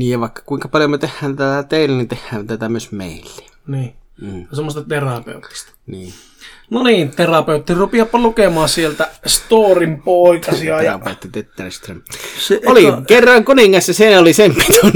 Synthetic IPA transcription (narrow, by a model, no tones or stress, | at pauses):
niːjjɑʋɑˑekːɑ̥kuiŋkɑpɑljomøt̪ehːæːnt̪æt̪æt̪eˑilænint̪ehːæːnt̪æt̪æmyøsmḛˑilːe̥ | niːsemːost̪ɑt̪erɑpḛut̪ːˑi̥st̪ɑ̥niː | noniːnt̪erɑpeut̪ːirupiɑpːɑlukemɑsielt̪æst̪oːrimpoˑikɑsiɑejrɑpeˑut̪ːit̪et̪ːærst̪remeolikerːɑŋkuniŋːɑsjɑseˑinæolisempi̥t̪u